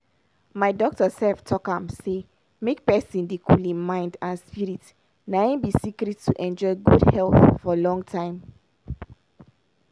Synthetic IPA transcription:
maɪdɔk̚tɔsɛlftʰɔkãmse | mek̚pɛsĩndekʰulĩnmãɪ̃ndãnspiɹit | naĩnbisikɾitːuʔɛ̃nd͡ʒɔɪɡudhɛlθfɔlɔ̃ŋɡtʰãɪ̃m

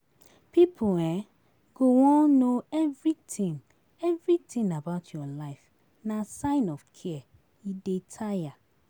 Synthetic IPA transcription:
pipʰuɛ̃ | ɡ̥owɔ̃nnoɛvɹitĩn | ɛvɹitĩnabaʊtʰjɔlaɪf | nasãɪ̃nɔfkʰɛ | idetʰaja

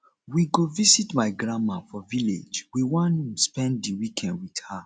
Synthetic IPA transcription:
wiɡovisitmaɪɡɹãmafɔvilḛd͡ʒwiwãnspɛ̃ndiwikʰɛ̃ndwidha

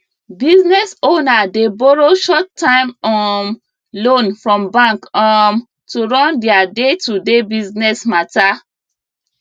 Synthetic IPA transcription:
biznɛsonadebɔɹoʃɔtːãɪ̃mɔm | lõnfɹɔ̃mbãŋkɔm | tuɹɔ̃ndɛadetudebiznɛsmata

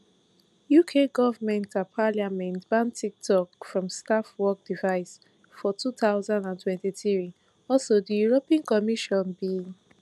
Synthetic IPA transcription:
jukʰeɡɔvamɛ̃ntapʰaliamɛ̃ntb̥ãntʰik̚tʰɔkfɹɔ̃mstafwɔk̚d̥ivaɪs | fɔtʰuθaʊzãndãntʰwɛ̃ntiθi | ɔlsodijuɹopĩãnkɔmiʃɔ̃nbi

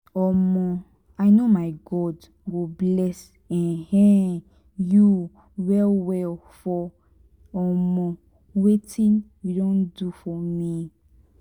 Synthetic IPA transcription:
ɔmɔ̃ | ajnomajɡɔd | ɡoblɛs | ɛ̃nhɛ̃ | ju | wɛlwɛl | fɔ | ɔmɔ̃ | wetĩnjudõndufɔmi

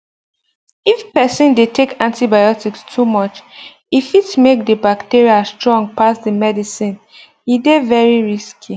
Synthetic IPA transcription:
ifpɛsĩndetʰekãntibajɔtikstʰumɔt͡ʃ | ifitmek̚dəbaktiɹiastɹɔ̃ŋɡ̚pasdəmɛdisĩn | idevɛɹiɹiskʰi

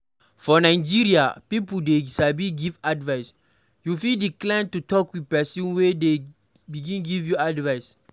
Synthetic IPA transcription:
fɔnajd͡ʒiɹiapipudesabiɡivadvas | jufildiklãntutɔkwipɛsɔ̃nwede | biɡĩnɡivjuadvajs

